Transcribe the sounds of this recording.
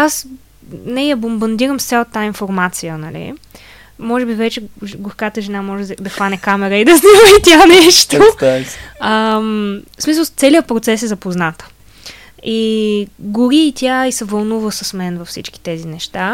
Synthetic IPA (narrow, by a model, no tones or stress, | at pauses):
as | nɛjɐbombɐnd̪iɾəmst̪sʲat̪ːainfoɾmat̪sijənɐlḭ | mɔʒɛbivɛt͡ʃɛɡoxkat̪əʒɛnamɔʒɛd̪ɐxvanɛkamɛɾəid̪ɐzniməit̪ʲjanɛʃt̪o | əm | smisəlˠt̪sɛliət̪̚pɾot̪sɛsɛzɐpoznat̪ | i | ɡʊɾiːt̪ʲjaisɛvɐlˠnuvəsəsmɛnvɐfsit͡ʃk̟i̥t̪ɛzinɛʃt̪a